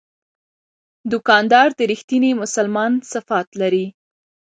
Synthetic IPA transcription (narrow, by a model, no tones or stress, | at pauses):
d̪ʊkɑnd̪ɑɾd̪əɾixt̪inemʊsalmɑnsafɑt̪laɾi